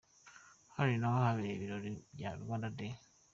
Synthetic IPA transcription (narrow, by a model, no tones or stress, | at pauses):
haɾinohaβeeβiɾoɾiβja̰βḭβandade